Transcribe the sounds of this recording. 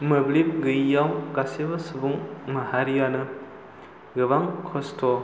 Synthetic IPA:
mɯblip̚ɡɯjːawkasebɐsɯbuŋmɐhaɾijanɯ | ɡɯbaŋkʰɔstʰɔ

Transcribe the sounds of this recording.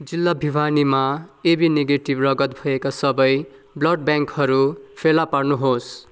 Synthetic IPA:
d͡zilːabʱibʱanimaebineɡeʈibrʌɡʌt̪̚bʱʌekasʌbʌj | blʌɖ̚bjaŋkhʌɾupʰelaparnuɦos

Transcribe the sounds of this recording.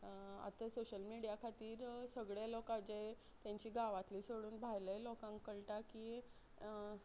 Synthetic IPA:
a̰t̪əsoɕəlmiɽijakʰat̪iːɾsəɡɭjalɔkãd͡ʑej | t̪jãɲt͡ɕiːɡaʋat̪liːsoɽuːnbʱajlelɔkãŋkːəɭʈakiː

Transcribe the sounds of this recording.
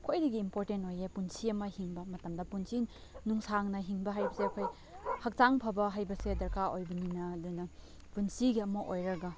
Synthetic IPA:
kʰojdiɡiːmpoɾtentojepunsiɐmɐhiŋbɐmɐtɐmdɐpunsin | nuŋsaŋnɐɦiŋbɐɦajbɐseɐkʰoj | hɐk̚taŋpʰɐbɐɦajbɐsedɐɾkʰaʔojbɐninɐːdunɐ | punsiɡiɐmɐʔojɾɐɡɐ

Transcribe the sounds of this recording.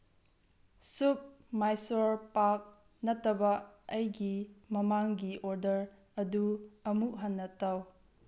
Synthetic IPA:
sup̚ | majsoɾpak̚ | nɐtːɐbɐɐjɡimɐmaŋɡiʔoɾdɐɾ | ɐduɐmuʔɦɐnːɐtɐw

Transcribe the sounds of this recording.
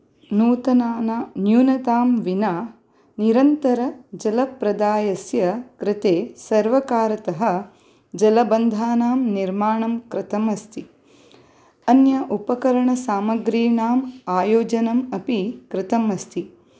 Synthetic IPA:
nuːt̪ɐnaːnanjuːnɐt̪aːmʋinaː | niɾɐnt̪ɐɾɐd͡ʒɐlɐpɾɐd̪aːjɐsjɐkɾɪt̪eːsɐɾʋɐkaːɾɐt̪ɐɦɐ | d͡ʒɐlɐbɐnd̪ʱaːnaːmniɾmaːɳɐmkɾɪt̪ɐmɐst̪ʰi | ɐnjɐʔupɐkɐɾɐɳɐsaːmɐɡɾiːɳaːmaːjoːd͡ʒɐnɐmɐpikɾɪt̪ɐmɐst̪ʰi

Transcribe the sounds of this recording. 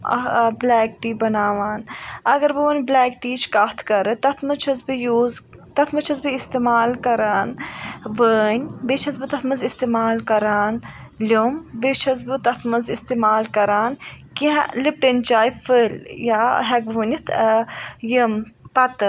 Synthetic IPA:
blɛːk̚ʈiːbɐnaːʋaːnɐɡɐɾbɨʋənʲblɛːk̚ʈiːt͡ʃkat̪ʰkɐɾɨt̪ɐt̪ʰmɨt͡ʃʰɐzbɨjuːz | t̪ɐt̪ʰmɐt͡ʃʰɐzbɨist̪emaːlkɐɾaːnʋəːnʲbet͡ʃʰɐzbɨt̪ɐt̪ʰmɐzist̪eːmaːlkɐɾaːn | lʲombet͡ʃʰɐzbɨt̪ɐt̪ʰmɐnzist̪eːmaːlkɐɾaːnkḭlip̚ʈənʲt͡ʃaːjfəljaːɦɛɡʋunʲit̪ʰ | jəmpɐt̪ɨ

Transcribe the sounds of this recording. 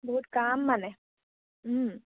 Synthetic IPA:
bəɦut̪̚kaːmːane | ɦ

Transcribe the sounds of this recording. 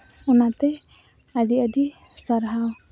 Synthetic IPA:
amat̪ɛ | adiadisaɾɦaw

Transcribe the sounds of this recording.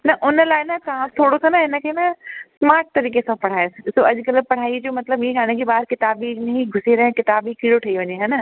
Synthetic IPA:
nɐʔʊnəlaːɪnɐt̪ɐɦãt̪ʰoːɽosɐnɐɦɪnə̆kʰeːnɐsmaːɾʈ̚t̪ɐɾiːk̬esãpɐɽ̤aːessoːɐʄkɐləpɐɽ̤aːid͡ʑoːmɐt̪ləbĩɡaːɽ̃ẽkʰeːbaːɪɾkɪt̪aːbinɦiɡʱʊsiɾɐɦɪ̃kɪt̪aːbikiːɽoʈʰɐiʋɐɲeɦɐnə

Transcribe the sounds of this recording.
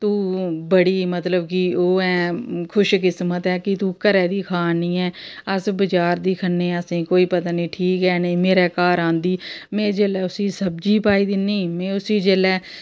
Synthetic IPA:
t̪ũːbəɽiːmət̪ləbkɪoːɛːkʰʊʃkɪsmət̪ɛːkɪt̪ũːkəɾɛːd̪iːkʰaːnĩːɛːəsbəd͡ʒaːɾd̪iːkʰənːeːəsĩːkoːiːpət̪aːnĩːʈʰiːkɛːneːmeːɾɛːkaːɾãːnd̪iːmɛ̃ːd͡ʒeːlɛːʊsiːsəb̚d͡ʒiːpaːiːd̪ɪnːiːmɛ̃ːʊsiːd͡ʒeːlɛː

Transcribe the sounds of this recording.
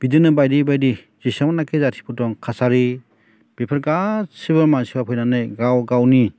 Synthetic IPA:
bidɯnɯbajdibajdi | z̥isamnakʰezatʰi̥pʰudɔŋkʰasaɾi | b̥ipʰaɾɡasiβaɾmansiwapʰɔjnanɯjɡawɡawni

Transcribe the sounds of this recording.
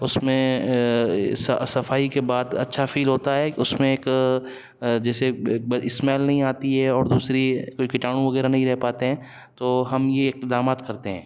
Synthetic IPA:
ʊsmẽ | sɐsɐfaːikebaːd̪ɐ̰tːʃʰafʰiːlɦoːt̪aɦɛʊsmẽeːk | d͡ʒɛːsebɪsmɛːlnɐɦĩaːt̪iɦɛɔːɾd̪uːsɾikoikɪʈaːɽ̃ũʋɐɣɛːɾanɐɦĩɾɛɦpaːt̪eɦɛ̃ː | t̪oːɦɐmjeɪq̚d̪aːmaːt̪kɐɾt̪eɦɛ̃ː

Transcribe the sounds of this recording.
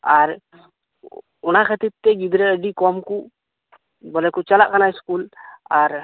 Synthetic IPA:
aɾ | ɔnakʰət̪it̪ːɛɡid̪ɾɛəɖikɔmku | bɔlekut͡ʃalaʔkanajskulaɾ

